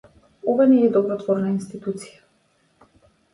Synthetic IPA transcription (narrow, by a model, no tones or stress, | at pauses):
ɔvanɛːd̪ɔbɾɔt̪vɔɾnainst̪it̪ut̪si̥ja